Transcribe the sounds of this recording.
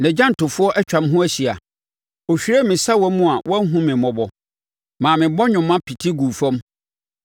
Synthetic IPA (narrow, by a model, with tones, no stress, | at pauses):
nɛ̃˨d͡ʑã˦n̩˨tʊ˨fʊ˦ɔ˦ʔɛ˦t͡ɕᶣã˨mɦʊ̃˦æ˦ɕi˨a̰˨ | o˨ɕᶣi˨ɾe˦mɪ̃˨sa˦wɔ˦mʊ̃˦a˨wʔɔ˦ɦũ˦mɪ̃˨mɔ̃˨bɔ˦ | mãː˨mɪ̃˨bɔ˦ɲʊ̃˨mːã˦pʰi˨tʰi˦ɡu˨fɔ̃˦m